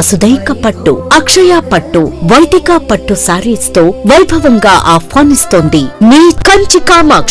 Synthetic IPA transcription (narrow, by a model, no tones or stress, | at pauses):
ɐsud̪ɐjkɐpɐʈːṵɐkʂɐjaːpɐʈːuʋɐjd̪ikaːpɐʈːusaːɾiːst̪oːʋɐjbʱɐʋɐŋɡaːʔaːpʰːaːnist̪oːnd̪iniːkɐɲt͡ʃikaːmɐ